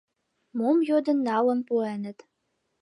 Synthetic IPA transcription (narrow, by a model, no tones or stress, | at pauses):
momjod̪ə̆nːɑlɤ̆mpuenɘ̆t̪